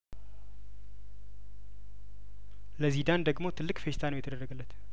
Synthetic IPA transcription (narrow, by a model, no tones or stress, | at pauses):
ləzid̪and̪əɡmo̞t̪ʰɨlːɨkʼfe̞ʃt̪ʰanəwjɛt̪ʰəd̪ərːəɡəlːət̪